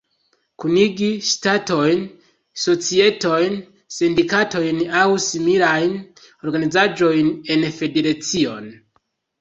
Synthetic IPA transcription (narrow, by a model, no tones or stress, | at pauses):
kuniɡiʃtato̞jn | so̞t͡sie̞to̞jn | sindikato̞jnawsimilajn | o̞ɾɡanizad͡ʒo̞jne̞nfe̞deɾat͡sio̞̰n